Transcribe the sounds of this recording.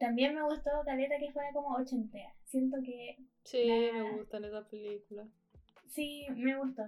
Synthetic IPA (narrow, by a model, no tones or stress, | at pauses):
t̪ambje̞nmeɣust̪ot̪alet̪ɾake̞fweɾako̞moot͡ʃent̪easje̞nt̪̬oke̞ | simeɣust̪alet̪apelikula | simeɣust̪o